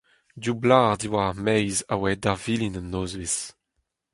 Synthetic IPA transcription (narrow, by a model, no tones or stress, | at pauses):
dublaːʁd̪iwamɛjzawɛdaʁvilinənːoːzvis